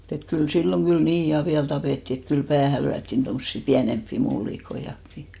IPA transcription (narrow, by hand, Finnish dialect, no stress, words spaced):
et kyl silːoŋ ɡ̊yl niː jɑ ʋiæl tɑpeˑtːi et kyl pæːhæ lyætːin tomsːi piænempːi mulːikoij̆ɑkːi